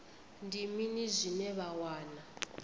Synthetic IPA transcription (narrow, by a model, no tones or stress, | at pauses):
ndiminizʷinɛβawaːna